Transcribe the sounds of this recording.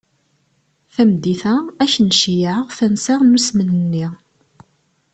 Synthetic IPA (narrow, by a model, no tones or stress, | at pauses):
θæmd̪iθææçənʃjəʁθænsaʁnusmənənːi